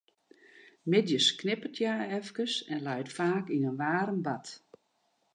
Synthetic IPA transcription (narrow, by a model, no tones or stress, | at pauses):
mɪdjəsknɪpətʰjaɛfkəsɛnlɛjtfaːkinənʋaːɾəmbat